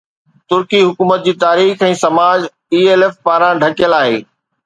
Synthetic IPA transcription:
t̪ʊɾkiɦʊkuːmət̪̚d͡ʑiːt̪aːɾiːxɛ̃ːsɐmaːd͡ʑ | iːeːlefpaːɾãɖʱɐkɪjəlaːɦḛː

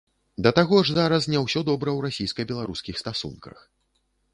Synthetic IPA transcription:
d̪ɐt̪aɣɔʐzaɾɐs̬nʲɛwsʲɔd̪ɔbɾɐwɾasʲijskɐbʲɛlˠaɾuskʲixst̪asṵnkɐ̰x

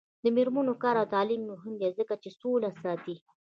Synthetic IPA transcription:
d̪əmɪɾmunokɑɾawt̪ɑlimnoɦɪmd̪ezəkat͡ʃesolasɑt̪i

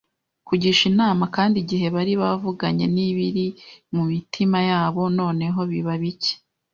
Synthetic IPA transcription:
kuɟiʃinaːmakaːndiɟiɦe̞βaɾiβavuɡaɲe̞niβiɾimumitʰimajaːβo̞no̞ːne̞ɦo̞βiβaβice̥

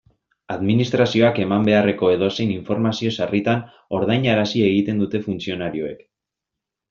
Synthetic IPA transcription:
aðminist̪ɾasio̞ake̞mambe̞are̞ko̞e̞ðo̞se̞jniɱfo̞ɾmasio̞sarit̪an | o̞ɾðajɲaɾasie̞ɣ̞it̪e̞nd̪ut̪e̞funt͡sio̞naɾio̞e̞k

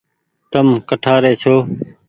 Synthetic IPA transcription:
t̪əmkəʈʰaːɾeːt͡ʃʰoː

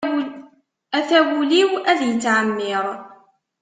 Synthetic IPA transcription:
æθæwuliwæðjət͡sːʕamːɪɾˤ

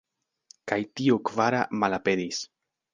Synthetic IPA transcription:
kajtiokvaɾa̰malape̞dis

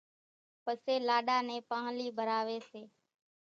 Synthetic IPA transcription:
pəseːlaːɗaːnẽːpaːɦliːbʱəɾaːʋeːseː

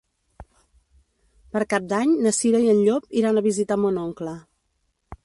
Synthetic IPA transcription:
pəɾkap̚d̪aɲnəsiɾəiənʎopiɾanəβ̞izit̪amonoŋklə

